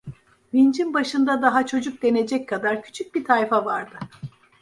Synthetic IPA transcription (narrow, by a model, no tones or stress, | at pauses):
bind͡ʒinbaʃɯnd̪ad̪aɦat͡ʃʰo̞d͡ʒuk̚d̪e̞ne̞d͡ʒɛc̚kʰad̪aɾcʰy̥t͡ʃʰyc̚bit̪ʰajfavaɾd̪ɯ